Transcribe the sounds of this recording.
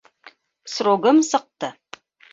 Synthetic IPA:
sɾoɡəmsəq̚t̪ə

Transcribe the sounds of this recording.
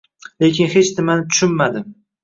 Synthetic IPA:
lekʲʰɪnhet͡ʃnɪmanɪt̪ʰʊ̥ʃʊnmad̪ɪm

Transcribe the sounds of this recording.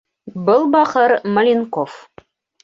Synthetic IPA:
bɤlˠbɑqɤɾmɐ̆lʲinkof

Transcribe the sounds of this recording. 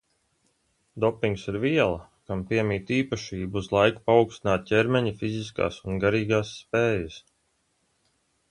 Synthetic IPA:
d̪ɔpːiŋksiɾviɛlˠɐ | kampiɛmiːt̪iːpaʃiːbuuzlˠajku̥paukst̪inaːt̪̚cʲeɾmɛɲifizis̬ka̰ːsunɡaɾiːɡaːsːpeːjas

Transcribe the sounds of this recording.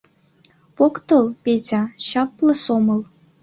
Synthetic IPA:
pokt̪ɤlˠpʲetʲɑɕɑplɤ̆somɤ̆lˠ

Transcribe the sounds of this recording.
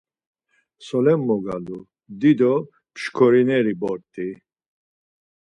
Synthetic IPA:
sɔlɛmːɔɡalu | d̪id̪ɔ | pʰʃkʰɔɾinɛɾibɔɾt̪ʼi

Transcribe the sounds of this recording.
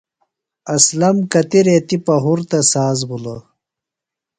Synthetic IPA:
ɐslɐmkɐt̪iɾet̪ipɐɦuɾt̪ɐsaːzbulɐ

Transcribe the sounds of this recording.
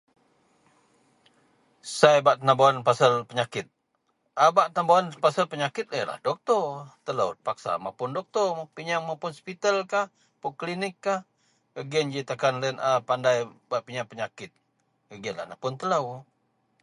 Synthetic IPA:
sajbaʔt̪ənabaanpasəlpəɲakɪt̪̚ | abaʔt̪ənabawanpasəlpəɲakɪt̪̚əla̰hdɔk̚t̪ɔt̪ələ̰wpaksa̰ma̰pʊndɔk̚t̪ɔapiɲaŋmapʊnspit̪alkah | pʊklinɪkːah | əɡɛnd͡ʒit̪akanlənapandajbaʔpiɲaŋpəɲakɪt̪̚ | əɡənla̰hnapʊnt̪ələw

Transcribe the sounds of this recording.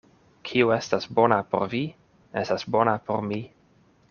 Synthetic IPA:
kʰiue̞stasbo̞napo̞̰ɾvi | estasbo̞napo̞̰ɾmi

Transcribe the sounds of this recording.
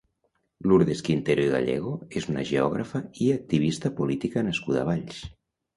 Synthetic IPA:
luɾðeskint̪eɾoiɣa̰ʎɛ̰ɣ̞oezunə̰ʒeɔɣ̞ɾafəiak̚t̪iβ̞ist̪əpolit̪ikənəskuða̰βaʎs

